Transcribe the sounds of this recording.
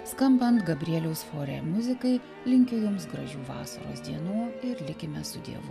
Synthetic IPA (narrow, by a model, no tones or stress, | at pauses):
skɐmpɐnt̪ɡɐbʲɾʲiɛlʲɛʊsfoːɾʲḛmʊzʲɪkɐɪ | lʲɪŋʲkʲʊjʊmsɡɾɐʒʲuːʋɑ̰ːsɐ̰ɾo̰ːsd̪ʲiɛnuːɪɾlʲɪkʲɪmʲɛsʊd̪ʲḭɛʋʊ